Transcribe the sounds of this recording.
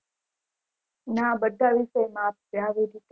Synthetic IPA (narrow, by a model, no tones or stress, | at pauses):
nãbəd̪ʱːaʋiʃəjmãʋjaʋed̪ʱit̪